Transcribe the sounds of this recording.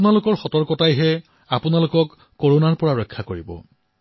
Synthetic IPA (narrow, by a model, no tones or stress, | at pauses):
nalʊkɔɹxɔtɔɹkɔtajɦɛ | apʊnalʊkɔkː | oɹonaɹpɔɹaɹɔkʰːakoɹibɔ̰